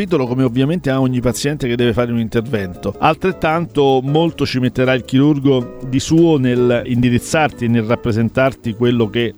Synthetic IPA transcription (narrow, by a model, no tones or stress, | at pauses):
piːt̪̬olokomeovːjament̪eaoɲːipat̪sːjɛnt̪eked̪ːɛːvefaːɾeunint̪ervɛnt̪oalt̪ɾet̪ːant̪omolt̪ot͡ʃimet̪ːeɾailk̟iɾurɡod̪isuːonelind̪iɾit̪sːart̪ienːelrapːɾezent̪art̪ikwelːok̟e